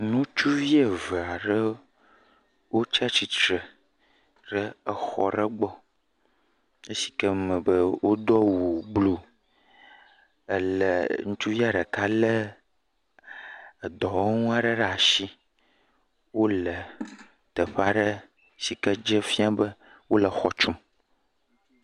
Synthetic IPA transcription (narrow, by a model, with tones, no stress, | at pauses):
nũ˦t͡ʃu˦vi˦e˨və˨a˨ɖə˦ | wo˦t͡ʃa˦t͡ɕi˨tɾə˨ | ɖə˦ə˨xɔ̰˨ɖə˦ɡ͡bɔ˦ | ə˦si̥˨kə˦mə̃˨bə˦wʔo˦d̪ɔ˦wu˨ɡ͡blo˨ | ə˨lə̰˨ŋũ˦t͡ʃu˦vi˦a˦ɖə˨ka˦lə˦ | ə˨d̪ɔ˨wo˦ŋũ˦a˦ɖə˦ɖə˦˨a˨ʃi˦ | wo˦lə˨ | t̪ə˨ɸa˦ɖə˦ | si˨kə˦d͡ʒə˦fi˦a˦bə˦ | wo˦lə˨xɔ˨t͡ʃu˦m